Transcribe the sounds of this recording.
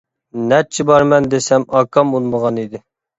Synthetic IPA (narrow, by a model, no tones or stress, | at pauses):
nɛt͡ʃʰːibɑɾmɛnd̪esɛmɑkʰːɑmulˠməʁɑnid̪ɪ